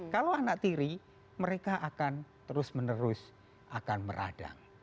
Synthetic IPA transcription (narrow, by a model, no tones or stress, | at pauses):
kaloanak̚t̪iɾi | məɾekaʔakant̪əɾʊsmənəɾʊs | ʔakanmə̰ɾʔa̰ɖ̥a̰ŋ